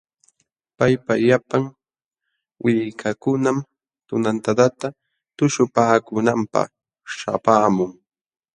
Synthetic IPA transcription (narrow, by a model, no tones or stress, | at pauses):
pajpajapaŋ | wʔɪkʰakʊnam | t̪ʊnant̪at̪at̪a | t̪ʊʃʊpaːkʊnampɑ̰χ | ʃa̰paːmʊŋ